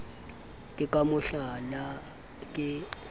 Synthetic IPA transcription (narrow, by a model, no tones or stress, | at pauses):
kʼɪkʼamʊɬala | kʼɪ